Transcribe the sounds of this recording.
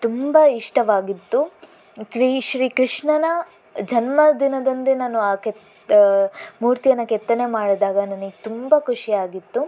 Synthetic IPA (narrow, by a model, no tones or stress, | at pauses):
t̪umbɐiʂʈɐʋaːɡit̪ːu | kɾiʃɾiːkɾiʂɳɐnɐ | d͡ʒɐnmɐd̪inɐd̪ɐnd̪enaːnuaːket | muːɾt̪ijɐnːɐkɛt̪ːɐne̞maːɽid̪aːɡɐnɐnɐɡt̪umbɐkʰuʂijaːɡit̪ːu